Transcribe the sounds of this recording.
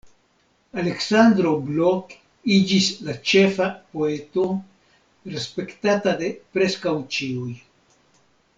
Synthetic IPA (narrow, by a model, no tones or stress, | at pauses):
ale̞ksand̪ɾo̞blo̞k | id͡ʒislat͡ʃe̞fapo̞e̞to | ɾespe̞ktatade̞pɾe̞skawt͡ʃiuj